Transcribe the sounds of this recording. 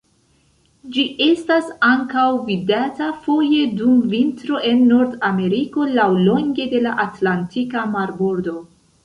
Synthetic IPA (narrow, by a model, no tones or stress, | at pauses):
d͡ʒiʔe̞stasaŋkawvidatafo̞je̞dumvintɾo̞ʔe̞nːo̞ɾdame̞ɾiko̞lawlo̞ŋɡe̞de̞laʔatlantikamaɾbuɾdo̞